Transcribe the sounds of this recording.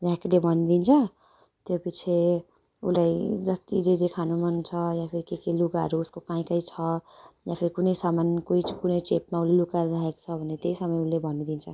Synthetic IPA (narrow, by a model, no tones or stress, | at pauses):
d͡zãkilebʱʌnid̪int͡sʰʌ | t̪jopit͡sʰe | ṵlajd͡zʌst̪id͡zid͡zekʰanomʌnt͡sʰʌjapʰiɾikekelukaɾuuskokaĩkʌit͡sʰʌjãpʰiɾikunʌjsamankoikunʌjt͡sep̚maulelukaɾɾaɦeko̥t͡sʰʌbʱʌnet̪eisʌmʌjulebʱʌnid̪int͡sʰʌ